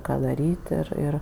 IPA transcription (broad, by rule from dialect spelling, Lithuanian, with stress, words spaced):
ˈkɑː dɐˈrʲiːtʲ ˈɪr ˈɪr